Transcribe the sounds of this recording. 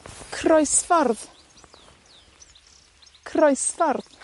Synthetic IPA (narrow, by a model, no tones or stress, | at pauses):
kʰrɔɨsfarð | kʰrɔɨsfarð